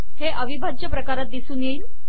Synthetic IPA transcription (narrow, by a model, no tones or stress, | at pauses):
heʔəʋibʱat͡ɕjəpɾəkaɾat̪̚d̪isuːnjeiːn